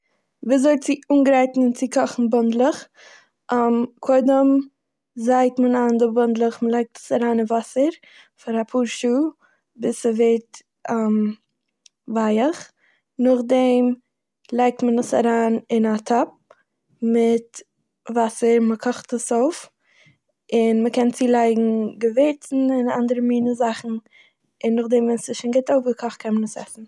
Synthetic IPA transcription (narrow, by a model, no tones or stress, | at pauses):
viːzɔt͡sɪuːnɡɾaɪtn̩ɪnt͡sɪkʰɔχn̩bʊndlˠəχ | ʔmkʰoɪdəm | zaɪktmənandəbʊndlˠəχməlˠaɪk̚tə̥saɾaːnɪnvasəɾ | faɾapʰuːɾʃuː | bɪsəveːt | ʔəm | vaɪəχ | nʊχdɛm | lˠaɪk̚tmənəsa̰ɾaːnɪnatʰɔp̚ | mɪt | vasəɾməkʰɔχtəsoʊf | ɪnməkɛnt͡siːlˠaɪɡŋ̩ɡəveɪtn̩ɪna̰ndəɾəmiːnəzaχn̩ | ɪnːʊχdɛmvɛnsɪʃɪnɡɪtoʊfɡəkʰɔχt̚kʰɛnmənəsɛ̰sn̩